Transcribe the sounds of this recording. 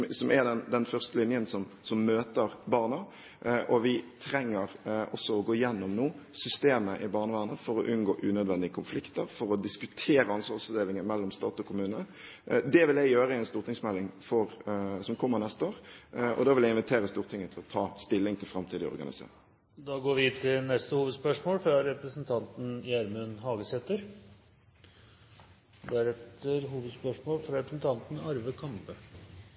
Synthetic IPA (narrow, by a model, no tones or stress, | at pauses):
sɔmɛd̪ɛnd̪ɛnfœʁst̪əlɪnjənsɔmsɔmːøːt̪əɾbɑːʁnə | ʔɔʋɪt̪ʰɾɛŋːəʁɔsːɔɔɡoːɪjɛnːɔmnuːsʏst̪eːməʔɪbɑːʁnəʋæːʁənəfɔɾɔʔʉnɡoːʔʉnœd̪ʋɛnd̪ɪəkʰʊnflɪkt̪əɾfɔɾɔd̪ɪskʉt̪ʰeːɾəɑnsʋɑʁsɑʋd̪eːlɪŋənmɛlːɔmst̪ɑːt̪ɔkʰʊmʉːnə | d̪ɛʋɪlæjøːʁəɪɛnst̪uːɾt̪ɪŋsmɛlːɪŋfɔɾsɔmkʰɔmːəʁnɛst̪əoːʁʔɔ̰d̪ɑːʋɪlɛɪnʋɪt̪ʰeːɾəst̪uːʁt̪ʰɪŋːət̪ʰɪlɔt̪ʰɑːst̪ɪlːɪŋt̪ʰɪlfɾɑmt̪ʰiːd̪ɪɔ̰ɾɡɑ̰nɪ̰sḛːʁɪ | d̪ɑːɡoːɾʋɪɪt̪ʰɪlnɛst̪əhuːʋəd̪spœʂmoːlfɾɑɾɛpɾəsnt̪ʰɑnt̪n̩jæɾmʉnhɑːɡəsɛt̪əɾ | d̪æɾɛt̪ʰːəɾɦuːʋəd̪spœʂmoːlfɾɑɾɛpɾəsn̩t̪ʰɑnt̪n̩ɑɾʋəkʰɑmpə